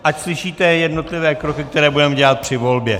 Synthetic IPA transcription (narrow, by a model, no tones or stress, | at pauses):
ʔacslɪʃiːt̪ɛjɛdno̞t̪lɪvɛːkɾo̞kɪkt̪ɛɾɛːbudɛmɛɟɛlat̪̚pr̥ɪvo̞lbjɛ